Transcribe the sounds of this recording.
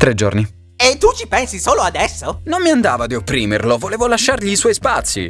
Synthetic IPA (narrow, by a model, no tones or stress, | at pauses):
t̪ɾed͡ʒo̰rni | et̪ːut͡ʃipɛnsisoːload̪ɛsːonommːiand̪aːvad̪iopːɾiːmerlovoleːvolaʃːarʎiːswɔjspat̪sːḭ